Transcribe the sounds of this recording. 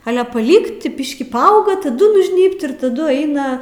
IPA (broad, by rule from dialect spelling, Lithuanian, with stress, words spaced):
ˈɑːlʲɛ pɐˈlʲiːkt ˈbʲɪʃʲkʲiː pɐˈɐʊɡɐ tɐˈdʊ nʊʒʲˈnʲiːpt ɪr tɐˈdʊ ˈɛɪnɐ